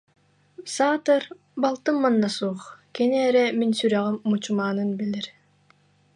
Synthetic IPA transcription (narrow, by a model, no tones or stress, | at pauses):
saːt̪ɯɾ | balˠt̪ɯmːanːasuːχkɛniɛɾɛminsyɾɛʁɛmːut͡ɕumaːnɯnbiliɾ